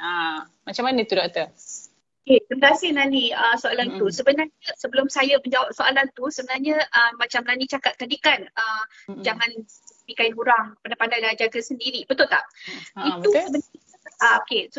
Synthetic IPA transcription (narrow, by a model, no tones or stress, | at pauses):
a | mat͡ʃamːanət̪udaʔt̪ə | okesəməɾasɪhnaniəsoalant̪usəbənarɲəsəbəlʊmsajaməɲd͡ʒawap̚soalant̪usəbənarɲə̃ʔəmat͡ʃamnanit͡ʃakat̪̚ːadikanə | d͡ʒaŋãn | bikainkuɾaŋpadapandajlad͡ʒaɡasəndiɾibət̪ʊlt̪a̰ʔit̪usəbəna | aokes